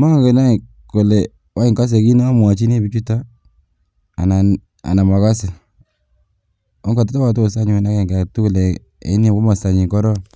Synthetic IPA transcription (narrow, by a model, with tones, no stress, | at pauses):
ma˦ŋɡe˨na˦i˨ | ko˨le˨ | wa˦i˨ŋka˦s̬e˨ki˦nɔ˦a˦mwa˨t͡ʃi˦ne˦bi˦t͡ʃu˦ta˦˨ | na˨ | a̰˨na˨ma˨ka˦se˨ | o˦ŋɡa˨ta˦ta˦wa˨tu˦o˨sa˦ɲu˨e˨na˦ke˨ŋɡa˨tu˦ku˨le˨ | ḛ˨˦n˦a˨ko˦ma˨sa˨ɲi˨ŋkɔ˦ɾɔ˦